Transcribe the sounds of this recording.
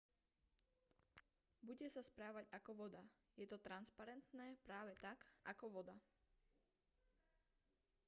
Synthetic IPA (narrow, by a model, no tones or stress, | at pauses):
buɟɛsaspɾaːʋaɟakɔʋɔd̪a | jɛt̪ɔt̪ɾanspaɾɛnt̪nɛːpɾaːʋɛt̪akakɔʋɔd̪a